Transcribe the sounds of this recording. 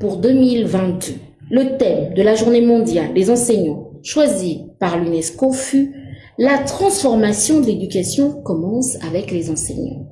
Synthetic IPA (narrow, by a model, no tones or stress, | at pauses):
puʁd̪ømilvɛ̃t̪̚d̪ø | lət̪ɛmd̪əlaʒuʁnemɔ̃d̪jald̪ezɑ̃sɛɲɑ̃ʃwazipaʁlynɛskofy | lat̪χɑ̃sfɔʁmasjɔ̃d̪əled̪ykasjɔ̃kɔmɑ̃savɛklezɑ̃sɛ̰ɲɑ̰̃